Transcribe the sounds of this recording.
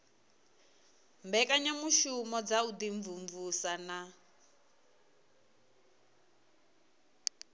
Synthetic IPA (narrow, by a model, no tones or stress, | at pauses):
mbɛkʼaɲamuʃumɔd͡zaud̪iɱvuɱvusana